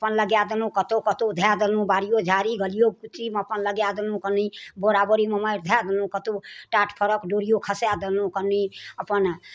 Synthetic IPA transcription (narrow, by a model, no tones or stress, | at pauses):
əpənləɡjad̪elũkət̪okət̪od̪ʱjad̪elũbaɾijod͡ʒʱaɾiɡəlijokut̪iməpənləɡjad̪elũkəniboɾabəɾiməməɪɾd̪ʱjad̪enũkət̪oʈaʈʰpʰəɾəkɖoɾijokʰəsjad̪elũkənːiəpən